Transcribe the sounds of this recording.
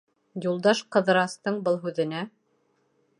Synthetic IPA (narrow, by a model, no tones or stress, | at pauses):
julˠd̪ɑʃqɤ̆ðɤ̆ɾɑst̪ɤɴbɤlˠɦʉðɘ̆næ